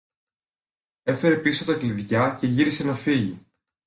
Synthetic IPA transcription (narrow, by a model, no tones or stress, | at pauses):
e̞fe̞ɾe̞piso̞t̪ɐkliðʝɐce̞ʝiɾise̞nɐfiʝḭ